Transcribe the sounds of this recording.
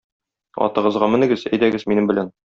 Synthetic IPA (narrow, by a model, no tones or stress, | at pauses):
ɒ̰t̪ɤ̆ʁɤ̆zʁɑmɘ̆nɘ̆ɡɘzæ̰jd̪æɡɘzminɘmbɘ̆læn